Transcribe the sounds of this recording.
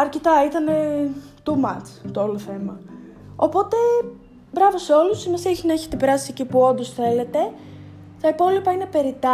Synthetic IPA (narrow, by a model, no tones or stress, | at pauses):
ɐɾcet̪ɐit̪ɐne | t̪umɐt͡sft̪ooloθe̞mɐo̞po̞t̪e̞ | bɾɐvo̞seo̞lusimesieçinɐe̞çet̪epeɾɐsiecipuo̞nd̪o̞sθe̞le̞t̪e̞ | t̪ɐipo̞lipɐinepe̞ɾit̪ɐ